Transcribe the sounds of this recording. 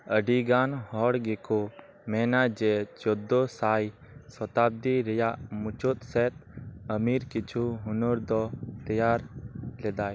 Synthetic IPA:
əɖiɡanhɔɽɡeko | mɛnad͡ʒɛt͡ʃɔd̪ɔsaj | sɔt̪ab̚d̪iɾɛjaʔmut͡ʃut̪̚sɛt̪̚əmiɾkit͡ʃʰuɦunɔɾd̪ɔt̪ɛjaɾlɛd̪aj

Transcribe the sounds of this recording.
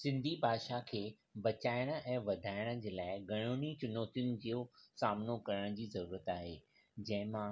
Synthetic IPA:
sɪ̃nd̪ʱibʱaːʃakʰeː | bɐt͡ɕaːɪɽ̃ə̆ʔɛ̃ːʋɐd̪ʱaːɪɽ̃ə̆d͡ʑeːlaːɪɡʱɐɽ̃uɽ̃it͡ɕʊnoːt̪jʊnɪ̆d͡ʑijosaːmnokɐɾəɽ̃əd͡ʑiːzɐɾuːɾət̪aːɦeː | d͡ʑɐ̃ɦɪ̃mã

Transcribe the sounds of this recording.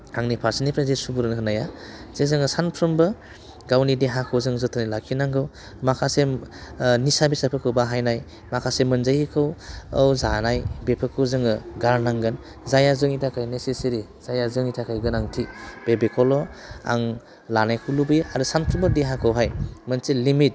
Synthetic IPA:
aŋnipʰaɾsinipʰɾazesubuɾɯnɦɯnajaz̥ezɯŋɯsanpʰɾɯmbɯ | ɡawnideɦakʰɯwzɯŋzɯtʰɯnilakʰinaŋɡɯw | makʰase | nisabisapʰɯkʰɯwbaɦajnaj | makʰasemɯnzajkʰɯwawzanajbepʰɯkʰɯwzɯŋɯɡaɾnaŋɡɯn | zajazɯŋitʰakʰajneseseɾi | z̥ajazɯŋitʰakʰajɡɯnaŋtʰib̥ebekʰɔlɔa̰ŋ | lanajkʰulubijaɾusanpʰɾɯmbɯdeɦakʰɯwɦajmənsilimit̚

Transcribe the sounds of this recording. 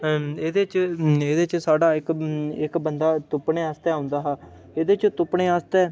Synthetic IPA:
eːd̪eːt͡ʃeːd̪eːt͡ʃsaːɖaːɪkɪkbənd̪aːt̪ʊpɳeːaːst̪ɛːaːʊ̃nd̪aːɦaː | eːd̪eːt͡ʃt̪ʊpɳeːaːst̪ɛː

